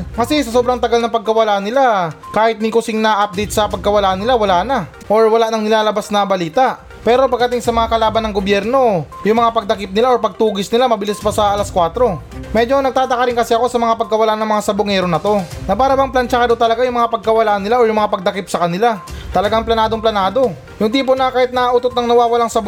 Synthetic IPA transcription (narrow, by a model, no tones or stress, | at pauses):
kɐsɛsɐso̞ːbɾɐŋt̪ɐɡalnɐŋpɐɡ̚kɐwɐlaʔnɪlakaːhɪt̪̚nɪkʊsɪŋnaʔap̚d̪ɛjt̪̚sɐpɐɡ̚kɐwɐlaʔnɪlawɐlaːna | ʔoɹwɐlanɐŋnɪlaːlɐbasnɐbɐliːt̪aʔ | pɛːɾo̞pɐɡ̚ɐt̪ɪŋsɐmɐŋakɐlaːbɐnɐŋɡobjɛɾno̞jʊŋmɐŋapɐɡ̚d̪ɐkɪp̚nɪlaʔoɹpɐɡ̚t̪uːɡɪsnɪlamɐbɪlɪspɐsɐʔɐlaskwaːt̪ɾo̞ | mɛd͡ʒo̞nɐɡ̚t̪aːd̪ɐkɐɾɪŋkɐsɛɐko̞sɐmɐŋapɐɡ̚kɐwɐlaʔnɐŋmɐŋasɐbʊŋɛɾo̞nɐt̪o̞nɐpaːɾɐbɐŋplant͡ʃakɐd̪ot̪ɐlɐɡajʊŋmɐŋapɐɡ̚kɐwɐlaʔnɪlaʔoɹjʊŋmɐŋapɐɡ̚d̪ɐkɪp̚sɐkɐnɪlat̪ɐlɐɡaŋplɐnaːd̪o̞ŋplɐnaːd̪o̞ | jʊŋt̪iːp̬onɐkaːhɪt̪̚nɐʔːʔuːt̪ot̪̚nɐŋnɐwaːwɐlaŋsɐb